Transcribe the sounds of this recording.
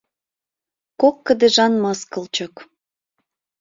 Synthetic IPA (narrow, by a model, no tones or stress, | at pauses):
kokːə̆d̪eʒɑnmɑskə̆lt͡ɕək